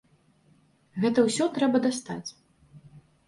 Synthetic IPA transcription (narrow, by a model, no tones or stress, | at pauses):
ɣɛt̪ɐwsʲɔt̪ɾɛbɐd̪ast̪a̰t͡sʲ